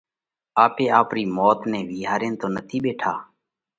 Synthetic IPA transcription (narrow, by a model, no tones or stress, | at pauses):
aːpeːaːpɾiːmoːt̪nẽːʋiːɦaːɾẽːnt̪oːnət̪ʰiːɓeːʈʰaː